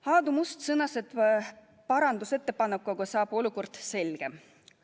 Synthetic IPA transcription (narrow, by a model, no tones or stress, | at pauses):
hɑːd̪umust̪sɤnːɑset̪ | pɑɾɑnd̪use̞t̪ːe̞pɑnːep̚kːɑɡ̥osɑːb̥oluko̞rd̪̥se̞lɡ̥e̞m